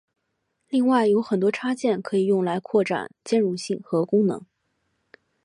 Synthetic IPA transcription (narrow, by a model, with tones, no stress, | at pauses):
li˥˧ŋwa˥˩ɪjo˧˥ʊxə˨˩nt̪wɔ˥ʈ͡ʂʰa˥t͡ɕjɛ˥˩nkʰɤ˧˥i˨˩jʊ˥˩ŋla˧˥ɪkʰwɔ˥˩ʈ͡ʂa̰˨˩nt͡ɕjɛ˥nɻu˥˧ɕi˥˩ŋxɤ˧˥kʊ˥ŋnɤ̰˧˥ŋ